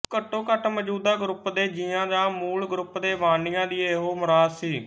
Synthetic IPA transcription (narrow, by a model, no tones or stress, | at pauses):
kəʈːõːkəʈʰməd͡ʒuːd̪aːɡɾʊpd̪eːd͡ʒijãːd̪aːmuːlɡɾʊpd̪eːʋaːɳijãːd̪iːeːɦoːmʊɾaːd̪siː